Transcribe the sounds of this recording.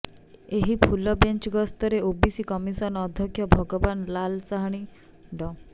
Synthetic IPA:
eɦipʰulɔbent͡ʃɡɔst̪ɔɾeobisikɔmisɔnɔːd̪ʱjɔkʰjɔbʱɔɡɔbanlalsaɦaɽ̃i | ɖɔ

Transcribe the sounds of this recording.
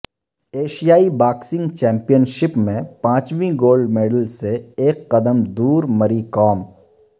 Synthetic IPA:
eːʃijaːibaːksɪ̃ŋɡt͡ʃɛ̃ːmpijənʃɪpmẽpãːt͡ʃʋĩɡoːlɖmeːɖəlseeːkːɐd̪əmd̪uːɾmɐɾikɔːm

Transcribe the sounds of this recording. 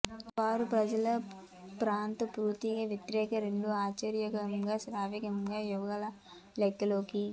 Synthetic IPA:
ʋaːɾupɾɐd͡ʒɐlɐ | pɾaːnt̪ɐpɾuːt̪iɡɐːʋjɐt̪ɾɛːkɐɾeɳɖuaːt͡ʃɐɾjɐkɐmɡaːsɾaːʋikɐmɡaːjɔːɡalɐ | lɛk̪ːɐloːki

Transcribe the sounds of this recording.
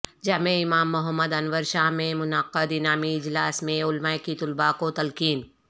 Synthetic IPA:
d͡ʒaːmẽɪmaːmːʊɦəmːəd̪ɐnʋəɾʃaːɦmẽmʊnaqːəd̪ɪnaːmiɪd͡ʒlaːsmẽʊlmaːjkit̪ʊlbaːkot̪ɐlkiːn

